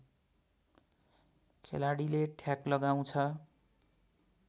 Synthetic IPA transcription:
kʰelaɽileʈʰjaklʌɡaw̃t͡sʰʌ

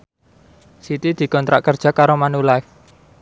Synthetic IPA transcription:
sit̪id̪̥i̤kɔnt̪ɾa̰ʔkərd̥ʒ̥a̤kaɾomanulaf

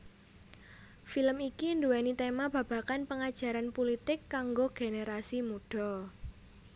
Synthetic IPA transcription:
filəmikind̪uwɛnit̪emab̥ä̤b̥ä̤kanpəŋad̥ʒ̥a̤ɾanpulit̪ɪkːaŋɡoɡ̥eneɾasimuɖ̥ɔ

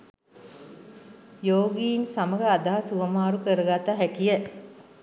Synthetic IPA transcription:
joːɡiːnsaməɡəad̪aɦasuʋəmaːɾukəɾəɡat̪aɦækijə

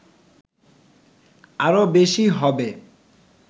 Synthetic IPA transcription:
aɾobeʃiɦɔbe

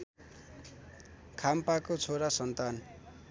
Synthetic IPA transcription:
kʰampakot͡sʰoɾasʌnt̪an

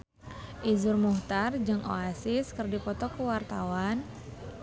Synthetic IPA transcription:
ʔizurmuht̪ard͡ʒɨŋʔo̰asɪskɨrdipɔt̪ɔkəwart̪awan

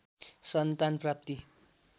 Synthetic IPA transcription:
sʌnt̪anprap̚t̪i

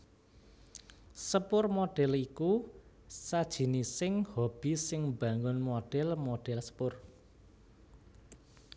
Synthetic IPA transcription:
səpʊrmoɖ̥ɛliku | sad̥ʒ̥i̤nisɪŋhob̥i̤sɪŋb̥a̤ŋʊnmoɖ̥ɛlmoɖ̥ɛlsə̥pʊr

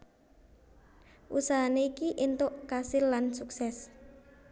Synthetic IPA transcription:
ʔusaɦaneikiʔint̪ʊʔkasɪlːansuksɛs

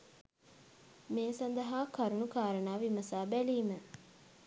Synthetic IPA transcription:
meːsɐnd̪ɐɦaːkɐɾunukaːɾənaːʋimɐsaːbæliːmə

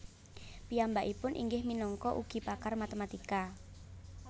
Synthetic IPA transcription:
piambaʔipʊnʔḭŋɡɪhminɔŋkɔʔṵɡ̥i̤pakarmat̪emat̪ika

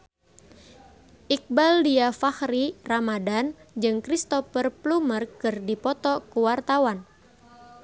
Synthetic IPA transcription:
ʔik̚baldiafahɾiramadand͡ʒɨŋkɾist̪ɔfərplumərkɨrdipɔt̪ɔkuwart̪awan

